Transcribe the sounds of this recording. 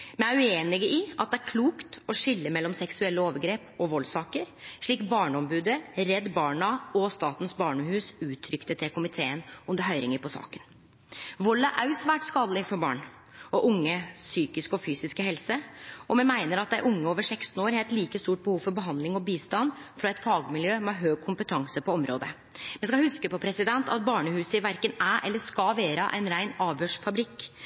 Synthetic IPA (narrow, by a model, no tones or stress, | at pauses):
mɛnæɾʉeːnɪɡəɪʔɑt̪̚d̪ɛæɾkʰluːkt̪ɔʂɪlːəmɛlːɔmsɛksʉɛlːəoːʋəɾɡɾeːpɔʋɔlːsɑːkəɾʂɭiːkbɑːɳəɔmbʉːd̪əɾɛd̪ːbɑːɳɑɔst̪ɑːt̪n̩sbɑːɳəhʉːsʉːt̪ʰɾʏkt̪ət̪ʰɛkʊmɪt̪ʰeːənɔmd̪əɦœʏɾɪŋəɾpɔsɑ̰ːkən | ʋɔlːæɾʔæʉsʋæːʈskɑːd̪əlɪɡfɔɾbɑ̰ːɳ | ɔʔʊŋːəsyːkɪskɔfyːsɪskəɦɛlsəɔmɛnmæɪnəɾɑt̪̚d̪æɪʔʊŋːəoːʋəʂɛkst̪n̩oːɾhɛːlt̪liːkəst̪uːʈ̚bəhuːfɔɾbəɦɑnd̪lɪŋɔbiːst̪ɑnːfɾɑɛt̪fɑːɡəmɪljøːmɛhɑɦøːɡ̚kʰʊmpət̪ʰɑŋsəpɔɔmɾo̰ːd̪ə | mɛnskɑhʉskəpɔpʰɾɛsɪd̪ɛnt̪ɑ̰t̪bɑːɳəhʉːsəɪʋæɾkənæʔɛ̰lːəʂkɑʋeːɾəʔæ̰ɪnɾæɪnɑːʋhøːʂfɑbɾɪkː